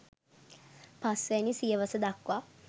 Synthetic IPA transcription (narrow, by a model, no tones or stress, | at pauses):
pasʋenisijəʋəsəd̪akuʋa